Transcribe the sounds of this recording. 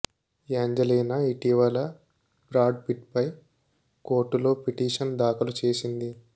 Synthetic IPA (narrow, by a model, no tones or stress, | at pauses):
eːɲd͡ʒɐliːnɐiʈiʋɐlɐ | bɾaːɖpiʈ̚pɐj | ko̞ːɾʈːulo̞ːpiʈiːʂɐnd̪aːkɐlut͡ʃe̞ːsind̪i